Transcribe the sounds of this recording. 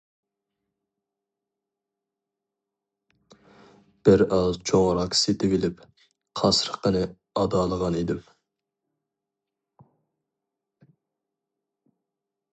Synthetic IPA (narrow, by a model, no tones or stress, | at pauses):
b̥ɪɾɑzt͡ʃʰoʁɾɑqset̪ɪvɪlɪp | qʰɑsɾəqːənɨ | ɑd̪ɑːlˠəʁɑned̪ɪm